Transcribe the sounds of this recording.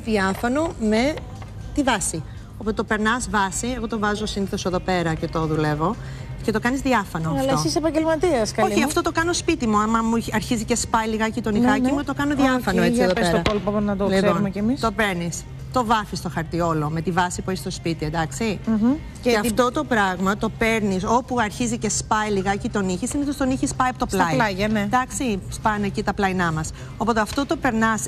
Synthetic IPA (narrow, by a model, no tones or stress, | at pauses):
ðjɐfonome̞ | t̪ivɐsi | opot̪ope̞ɾnɐzvɐsie̞ɣo̞t̪o̞vɐzosiniθo̞seðo̞pe̞ɾɐce̞t̪o̞ðule̞vo̞ | ce̞t̪o̞kɐnizðiɐfɐnoɐɐlɐsisepɐɲɟelmɐt̪iɐskɐoliçiɐft̪o̞t̪o̞kɐnospit̪imuɐmɐmuɐɾçizice̞spɐjliɣɐcit̪oniɣɐcimuet̪okɐnoðiɐfɐnoet͡siioðoesɾt̪oɐpolpɐkonɐt̪olisonumecemist̪o̞peɾnis | t̪o̞vɐfist̪o̞xɐɾt̪io̞lo̞me̞t̪ivɐsipueçi̥st̪o̞spit̪ied̪ɐksi | eɐt̪o̞t̪o̞pɾɐɣmɐt̪o̞peɾniso̞puɐɾçizice̞spɐjliɣɐcit̪o̞niçisineθost̪oniçispɐjɐpot̪o̞plɐɐʝɐned̪ɐksispɐnecit̪ɐplɐinɐmɐs | o̞po̞t̪eɐft̪ot̪o̞pe̞ɾnɐs